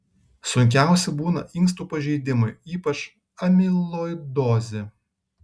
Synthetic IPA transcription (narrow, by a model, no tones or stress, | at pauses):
sʊŋʲkʲæˑʊsʲɛbuːnɐ̰ʔɪŋks̬t̪uːpɐʒʲɛɪd̪ʲɪmʊɪiːpɐt͡ʃ | ɐmʲɪlˠoɪd̪ɔːzʲe